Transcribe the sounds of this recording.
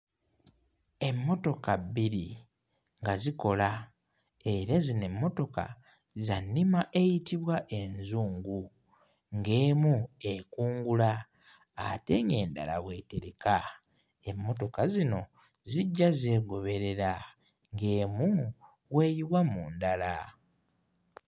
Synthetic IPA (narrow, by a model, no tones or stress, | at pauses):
e̞mːo̞to̞kabiɾi | ŋɡaziko̞la | e̞ɾezine̞mːo̞to̞ka̰ | zanːimaʔe̞jitiβwaʔe̞nzuːŋɡu | ŋɡe̞ːmue̞kuːŋɡulaː | te̞ŋe̞ːnda̰la̰βwe̞te̞ɾe̞ka | e̞mːo̞to̞kazino̞ | ziɟːaze̞ːɡo̞βe̞ɾe̞ɾa | ŋɡe̞ːmu | we̞ːjiβwamuːndala